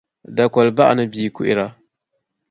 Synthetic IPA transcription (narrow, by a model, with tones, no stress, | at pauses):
da˨kɔ˨lba˦ʔnɨ˦biː˨kʊ˦ʔɪ˦ɾa˦